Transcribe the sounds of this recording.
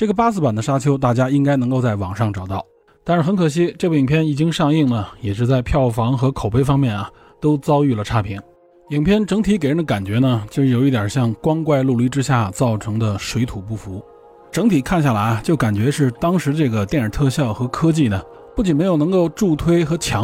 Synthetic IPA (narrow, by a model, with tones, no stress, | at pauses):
ʈ͡ʂɤ˥˩ɡə˩p̬a˥sɹ̩˥˩pa˨˩nd̪ə˦ʂa˥t͡ɕʰjo˥ʊt̪̬a˥˩t͡ɕja˥i˥ŋka˥ɪnɤ˧˥ŋko˥˧ʊt͡sa˥˩ɪwɑ˨˩ŋʂɑ˥˩ŋʈ͡ʂɑ˨˩ʊt̪ɑ˥˩ʊ | t̪a˥˧nʂɻ̩˥˩xə˧˥nkʰɤ˨˩ɕ̬i˥ʈ͡ʂɤ˥˩bu˧˩i˨˩ŋpʰjɛ˥˩ni˨˩t͡ɕi˥ŋʂɑ˥˧ŋi˥˩ŋlə˩jɛ˨˩ʂɻ̩˥˧t͡sa˥˧ɪpʰjɑ˥˩ʊfɑ˧˥ŋxɤ˧˥kʰo˨˩ʊpe˥ɪfɑ˥ŋmjɛ˥˩nɐ˩ | t̪o˥ʊt͡sɑ˥ʊy˥˩lə˩ʈ͡ʂʰa˥pʰi˧˥ŋ | i˨˩ŋpʰjɛ˥˧nʈ͡ʂɤ˧˥ŋt̪ʰi˧˥ke˨˩ɪɻə˧˥nd̪ə˧ka˨˩nt͡ɕɥɛ˧˥nə˧t͡ɕjʊʂɻ̩˥˩jo˨˩ʊi˥˩t̪jɐ˨˩ɕjɑ˥˩ŋkwɑ˥ŋkwa˥˧ɪlu˥˧ly˥˩ʈ͡ʂɻ̩˥ɕja˥˩t͡sɑ˥˩ʊʈ͡ʂʰɤ˧˥ŋd̪ə˧ʂwe˧˥ɪt̪ʰu˨˩pu˥˩fu˧˥ | ʈ͡ʂɤ˧˥ŋt̪ʰi˨˩kʰa˥˧nɕja˥˩la˧˥ɪɐ˧t͡ɕjo˥˩ʊka˨˩nt͡ɕɥɛ˧˥ʂɻ̩˥˧t̪ɑ˥ŋʂɻ̩˧˥ʈ͡ʂɤ˥˩ɡə˩t̪jɛ˥˩nə˞˨˩t̪ʰɤ˥˧ɕjɑ˥˩ʊxɤ˧˥kʰɤ˥t͡ɕi˥˩nə˩ | pu˥˩t͡ɕi˨˩nme˧˥ɪjo˨˩ʊnɤ˧˥ŋko˥˧ʊʈ͡ʂu˥˩t̪ʰwe˥ɪxɤ˧˥t͡ɕʰjɑ˧˥